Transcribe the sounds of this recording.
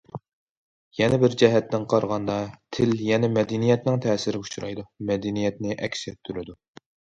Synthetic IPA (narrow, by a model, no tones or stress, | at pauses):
jɛnɛbɪɾd͡ʒɛɦɛt̪ːɪŋqʰɑɾʁɑnd̪ɑt̪ʰɪljɛnɛmɛd̪ɪnijɛt̪nɪŋt̪ʰɛːsɪɾɪut͡ʃʰɾɑ̰jd̪umɛd̪ɪnijɛt̪nɪʔɛkʲsɛt̪ʰːyɾɪd̪u